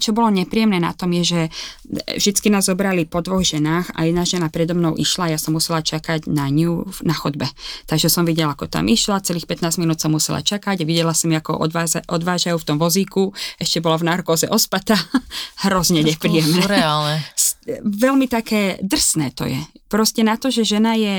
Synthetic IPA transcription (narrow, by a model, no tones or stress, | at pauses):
t͡ʃɔbɔlɔɲɛpɾijɛmnɛːna̰t̪ɔmjɛʒɛ | vʒd̪it͡skinaːzːɔbɾalipɔd̪ʋɔɣʒɛnaːxa̰jɛd̪naʒɛnapɾɛd̪ɔmnɔʊʔiʃlajasɔmːusɛlat͡ʃakaɟnaɲunaxɔd̪bɛt̪aɡʒɛsɔmʋiɟɛlakɔt̪a̰mʔiʃlat͡sɛliːxpɛt̪naːzminuːt̪sɔmːusɛla̰t͡ʃakaɟaʋiɟɛlasamiakɔ̰ʔɔ̰d̪ʋaːzʔɔd̪ʋaːʒajuːft̪ɔmʋɔziːkuɛʃcɛbɔlavnarkɔːzɛʔɔspat̪aɦɾɔzɲɛɲɛpɾiːjɛmnɛalnɛsʋɛlmit̪akɛːd̪r̩snɛːt̪ɔ̰jɛ̰pɾɔscɛnat̪ɔʒɛʒɛnajɛ